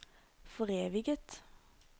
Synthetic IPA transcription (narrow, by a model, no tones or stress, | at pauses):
fɔʁeːʋɪɡət̪